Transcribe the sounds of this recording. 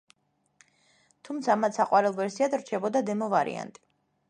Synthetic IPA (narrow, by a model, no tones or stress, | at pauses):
t̪ʰumt̪sʰamat̪saqʼwaɾɛlˠvɛɾsiad̪ɾt͡ʃʰɛbɔd̪ad̪ɛmɔvaɾḭa̰nt̪ʼi̥